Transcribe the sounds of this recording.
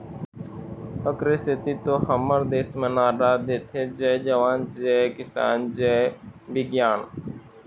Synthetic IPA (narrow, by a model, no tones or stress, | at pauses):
əkɾesɪt̪it̪oːhəməɾd̪eːsmẽnaːɾaːd̪eːt̪ʰed͡ʒɛd͡ʒəʋaːnd͡ʒɛːkɪsa̰ːnd͡ʒɛbɪɡjaːn